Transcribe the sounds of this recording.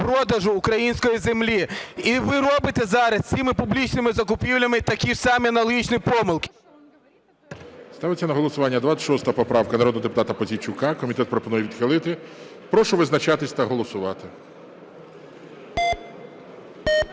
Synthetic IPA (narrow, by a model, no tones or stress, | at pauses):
pɾɔd̪ɐʒʊːkɾɐjinʲsʲkɔjizemlʲiiʋɪɾɔbɪt̪ɛzɑɾɐst͡sʲimɪpʊblʲit͡ʃnɪmɪzɐkʊpʲiwlʲɐmɪt̪ɐkʲisɑmɪɐnɐlˠɦʲit͡ʃnɪjpɔmɪlˠkɪ̥ | st̪ɑʋesʲːɐnɐɦɔlˠɔsʊʋɑnʲːɐd̪ʋat͡s̪ʲsʲʃɔst̪ɐɐpɔpɾɑwkɐnɐɾɔd̪ɦɔd̪epʊt̪ɑt̪ɐpɔzʲit͡ʃʊkɑkɔmʲit̪ɛt̪̚pɾɔpɔnujɛʋʲid̪xɪlˠɪt̪ɪ | pɾɔʃʊʋɪznɐt͡ʃɑt̪ɪsʲt̪ɐɦɔlˠɔsʊʋɑt̪ɪ